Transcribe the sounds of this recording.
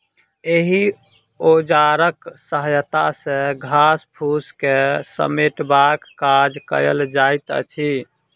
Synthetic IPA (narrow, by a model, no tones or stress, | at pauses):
eɦi | od͡ʒaɾəksəɦəjt̪asẽɡʱaspʰuskesə̰meʈbakːad͡ʒkə̰jə̰ld͡ʒajt̪ə̰t͡ʃʰi